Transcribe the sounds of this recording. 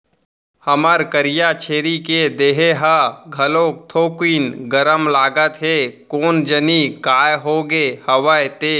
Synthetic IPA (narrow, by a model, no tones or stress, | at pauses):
həməɾkəɾɪjat͡ʃʰeːɾiked̪eːɦeɦaɡʱəloːk̚t̪ʰoːkiːnɡəɾəmlaːɡət̪ɦekoːnd͡ʒənikaːjɦoɡehɐwəjt̪eː